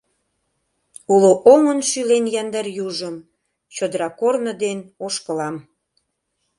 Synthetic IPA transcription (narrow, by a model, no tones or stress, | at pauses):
uloʔoŋənʃylenjɑnd̪ɑrjuʒəm | t͡ɕod̪əɾɑkornəd̪enoʃkə̆lɑm